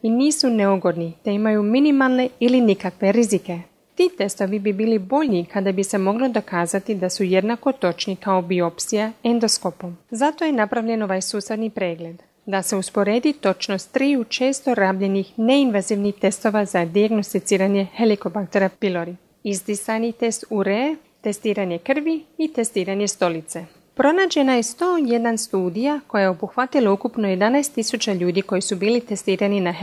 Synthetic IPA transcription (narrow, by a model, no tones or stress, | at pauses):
iniːsuneoɡo̞d̪nit̪e̞imajuminimalˠne̞ilinikakʋe̞ɾizike̞ | t̪iːt̪e̞st̪o̞ʋibibiːlibo̞ʎikad̪abise̞mo̞ɡlo̞d̪o̞kaːzat̪id̪asuje̞d̪nako̞t̪o̞t͡ʃnikaobio̞psijae̞nd̪osko̞po̞mzat̪o̞je̞napɾaʋʎe̞noʋajsuːsɾed̪nipɾe̞ːɡle̞d̪ | d̪ase̞uspo̞ɾe̞ːd̪it̪o̞t͡ʃno̞st̪ːɾiːjut͡ʃe̞ːst̪o̞ɾaːbʎe̞nixne̞inʋaziʋniht̪e̞st̪o̞ʋazad̪iaɡno̞st̪it̪siːɾaɲe̞he̞liko̞bakt̪e̞ɾapilo̞ɾi | izd̪isanit̪e̞st̪uɾe | t̪e̞st̪iːɾaɲe̞kr̩ʋiit̪e̞st̪iːɾaɲe̞st̪o̞lit̪se̞ | pɾo̞naːd͡ʑe̞naje̞st̪o̞ːje̞d̪anst̪uːd̪ijako̞jajeo̞buxʋat̪ilaukupno̞je̞d̪anajst̪ːisut͡ɕaʎuːd̪iko̞jisubiːlit̪e̞st̪iːɾanina